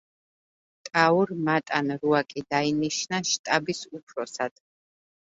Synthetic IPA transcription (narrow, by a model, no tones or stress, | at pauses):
t̪ʼauɾmat̪ʼanɾuakʼid̪ainiʃnaʃt̪ʼabisupʰɾɔsad̪̥